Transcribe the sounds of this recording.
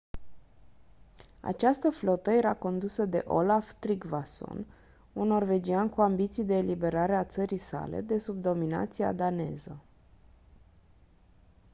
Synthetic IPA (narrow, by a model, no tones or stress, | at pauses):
a̰t͡ʃast̪əflo̞t̪əje̞ɾako̞nd̪usəd̪e̞̰ʔo̞laft̪ɾiɡvaso̞̰n | unːo̞rve̞d͡ʒiankuambit̪sijd̪e̞ːlibe̞ɾaɾe̞at̪səɾisa̰le̞̰d̪e̞sub̚d̪o̞mina̰t̪sia̰d̪ane̞zə